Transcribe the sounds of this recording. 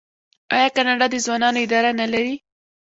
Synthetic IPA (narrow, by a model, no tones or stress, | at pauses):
ɑ̰jɑkanɑɖɑd̪əzwɑnɑnoɪd̪ɑɾanalaɾi